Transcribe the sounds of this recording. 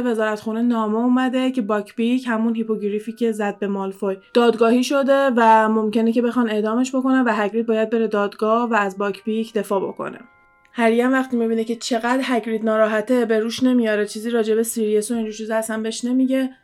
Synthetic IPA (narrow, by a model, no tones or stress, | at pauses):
ve̞zɒːɾæt̪xune̞nɒːmeuːmæd̪e̞cʰe̞bɒcʰbichæmunhipʰo̞ɡɾifiːcʰʲe̞zæd̪̚be̞mɒlfojd̪̥ɒːd̪ɡɒːhiːʃo̞d̪e̞væmo̞mce̞nece̞be̞xɒːne̞ʔd̪ɒːme̞ʃbo̞ko̞nævæɦæɡɾit̪̚bɒːjæd̪̚be̞ɾe̞d̪ɒːd̪ɡɒːhvæːzbɒːcʰbicʰd̪e̞fɒːbo̞̰kʰo̰ne̞̰ | hæɾijænvæxt̪imibiːnece̞t͡ʃʰe̞ɣæd̪ɾɦækɾiːd̪nɒːɾɒːɦæt̪ʰe̞be̞ɾuʃne̞mijɒːɾet͡ʃʰiːziːɾɒːd͡ʒe̞be̞siɾijesoind͡ʒuɾʃuzeæsæmbeeʃne̞miɟe̞